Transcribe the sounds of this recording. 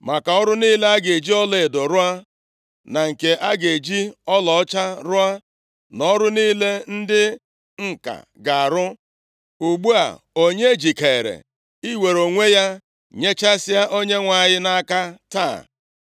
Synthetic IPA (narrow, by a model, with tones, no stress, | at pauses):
ma˨ka˨ɔ˦ɾʊ˦niː˦le˦a˦ɡe˨d͡ʒi˦ɔ˦le˨e˨dɔ˨ɾʊ˦a˦ | na˨ŋ̩˨ke˨ʔa˦ɡe˨d͡ʒi˦ɔ˦lɔ˨˦t͡ʃa˦ɾʊ˦a˦ | nɔ˦ɾʊ˦niː˦le˦n̩˦dɪ˦ | ŋ̩˨ka̰˨ɡa˨a˨ɾʊ˦ | u˨ɡ͡bu˦a̰˨ | o˦ɲe˦d͡ʒi˨ke˨ɾḛ˨ | i˦we˨ɾo˨ŋʷe˦ja˦ | ɲe˦t͡ʃa˦sɪ˦a˦ʔo˦ɲe˦ŋʷa˨ɲɪ˦na˦ka˦ta̰˦˨